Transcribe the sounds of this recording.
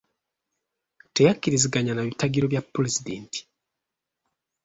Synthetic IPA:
te̞jakːiɾiziɡaɲanaβitaɡiɾo̞βjapːulezidḛnti̥

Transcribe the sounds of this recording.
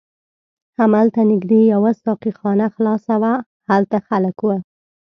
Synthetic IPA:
hamalt̪anɪɡd̪ejawasɑqixɑnaxlɑsawa | halt̪axaləkwə

